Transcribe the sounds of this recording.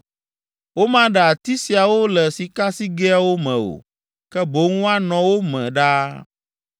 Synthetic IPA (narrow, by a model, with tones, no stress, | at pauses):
wo˦mã˦ɖɛ˨a˨t̪i˦si˨a˨wo˦lɛ˨si˨ka˦si˦ɡɛ˦a˦wo˦mɛ̃˨o̰˨ | kɛ˦bo˨˦ŋũ˦a˦nɔ̃˨wo˦mɛ̰̃˨ɖa˦